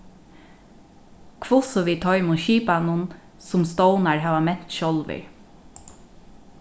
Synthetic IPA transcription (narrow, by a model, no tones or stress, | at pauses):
kʰvʊsɔʋiːt̪ʰɔʏmʊʃiːpanʊn | sʊmst̪ɔwnaɹɦaːʋamɛn̥t̪ʃɔlʋɪ̰ɹ